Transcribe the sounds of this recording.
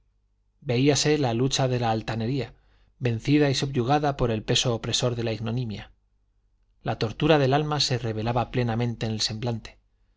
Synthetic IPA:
be̞iase̞lalut͡ʃaðe̞laːlt̪ane̞ɾia | be̞n̟θiðaisuβʝuɣ̞aðapo̞ɾe̞lpe̞so̞ːpɾe̞so̞ɾðe̞laiɣno̞nĩmja | lat̪o̞ɾt̪uɾaðe̞lalmase̞re̞β̞e̞laβaple̞namẽ̞nt̪e̞ːnelse̞mblant̪e̥

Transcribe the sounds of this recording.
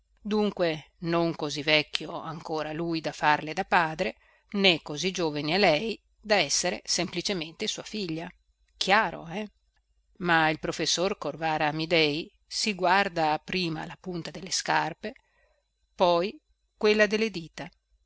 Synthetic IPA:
d̪uŋkwe | noŋkozivɛkʲːjoa̰ŋkoːɾalujd̪afarled̪apaːd̪ɾe | nekozid͡ʒoːvanialɛj | d̪aɛsːeɾḛsemplit͡ʃement̪esuːafiʎːa | kʰjaːɾo̰ɛ | mailpɾofesːorkorvaːɾamid̪ɛj | siɡward̪aːpɾiːma̰lapunt̪ad̪elːeskarpe | pɔj | kwelːad̪elːed̪iːt̪a

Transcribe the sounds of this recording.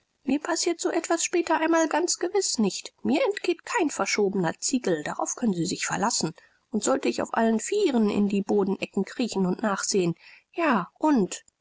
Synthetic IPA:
miːɐpʰasiːɐtz̥oːʔɛtv̥asʃpɛːtɐʔaɪnmaːlɡant͡sɡ̥əvɪsnɪçtmiːɐɛntɡ̥eːtkʰaɪnfɛɐʃoːbənɐt͡siːɡl̩daʁa̰ʊfkʰœnənziːzɪçfɛɐlasn̩ | ʔʊntz̥ɔltəɪça̰ʊfʔa̰lənfiːʁənɪ̰ndiːboːdn̩ʔɛkŋ̩kʁ̥iːçn̩ʊntnaːχz̥eːən | jaːʔʊnt

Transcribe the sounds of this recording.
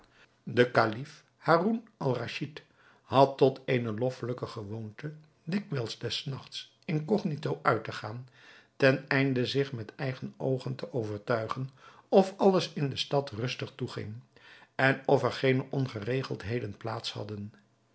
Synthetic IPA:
dəkalif | haːrunʔɑlˠraʃit | hɑtːɔteːjnəlɔfələkəχəʋowntə | dɪkʋɛlˠzdɛsnɑχts | ɪnkɔχnitowʔœɥtəχaːn | tɛnɛjndəzɪχmɛtɛjχənowχəntəʔowvəɹtœɥχənɔfɑləsɪndəstɑtrɵstəχtuχɪ̰ŋ | ɛnɔfɛɹχejnəʔɔnχərejχəlˠtɦejdənplaːtshɑ̰dən

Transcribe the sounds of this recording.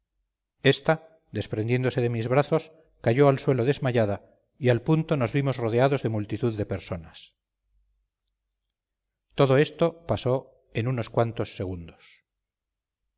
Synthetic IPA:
e̞st̪a | d̪e̞spɾe̞nd̪je̞nd̪oseðe̞mizβɾaθo̞s | kaʝo̞alswe̞loðe̞zmaʎaða | ialpunt̪o̞no̞zβimo̞zroðeaðozðe̞mult̪it̪uðːe̞pe̞ɾso̞nas | t̪o̞ðo̞e̞st̪o̞paso̞ | enuno̞skwant̪osːe̞ɣund̪os

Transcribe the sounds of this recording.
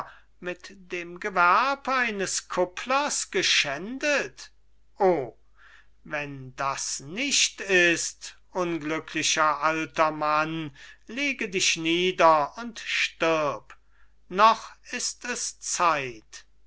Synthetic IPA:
mɪtd̥eːmɡəvæɐpaɪnəskʰʊpʰlɐsɡ̥əʃɛndət | ʔoː | vɛndasnɪʃtɪstʔʊnɡlʏkʰlɪʃɐʔaltɐmanleːɡədɪʃniːdɐʊntʃtɪɐp | nɔχɪstɛst͡saɪt

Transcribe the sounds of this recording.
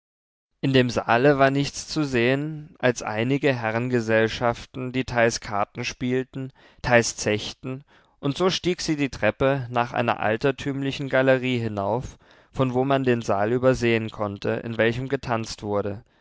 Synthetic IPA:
ʔɪndeːmza̰ːləvaːɐnɪçt͡st͡suzeːənʔalsʔa̰ɪnɪɡəɦɛʁ̞ənɡəzɛlʃaftn̩d̥iːtʰaɪskʰaɐtn̩ʃpiːltn̩ | tʰaɪlst͡sɛçtn̩ | ʔʊntz̥oːʃtiːkz̥iːdiːtʁ̥ɛpənaːχʔa̰ɪnɐ̰ʔa̰ltɐtʰyːmlɪçn̩ɡaləʁiːɦɪnaʊf | fɔnvoːmandeːnzaːlyːbɐzeːənkʰɔntʰə̰ʔɪ̰nvɛlçəmɡətʰant͡stv̥ʊɐɾə

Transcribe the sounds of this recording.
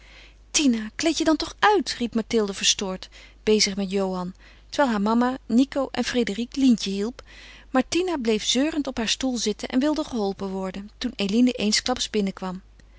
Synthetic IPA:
tinaklejtjədɑntɔχœɥtripmatɪlˠdəv̥əɹstʊːɹt | b̥ejzəχmɛtjowɦɑn | təɹʋɛːjlˠɦaːɹmɑmanikowʔɛ̰nfrejdəriklintəɦilˠpmaɹtinablejfz̥øːrəntɔpɦaːɹstulˠzɪtənʔɛ̰nʋɪlˠdəχəɦɔlˠpənʋɔɹdəntunejlinəʔejnsklɑpsbɪnəkʋɑm

